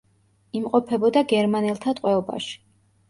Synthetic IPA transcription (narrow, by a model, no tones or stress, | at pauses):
imqʼɔpʰɛbɔd̪aɡɛɾmanɛlˠt̪ʰat̪ʼqʼwɛɔba̰ʃi̥